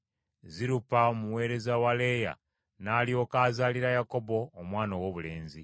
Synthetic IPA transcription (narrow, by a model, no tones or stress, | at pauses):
ziɾupaomuwe̞ːɾe̞zawale̞ja̰ | naːlijo̞kaːzaːliɾajako̞bo̞ːmwaːnowoβule̞ːnzi